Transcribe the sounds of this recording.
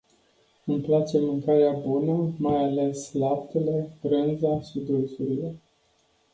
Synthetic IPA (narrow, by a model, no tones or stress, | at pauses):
ɨmplat͡ʃe̞mɨŋkaɾeabunəmajale̞slap̚t̪ule̞bɾɨnzaʃid̪ulsuɾile̞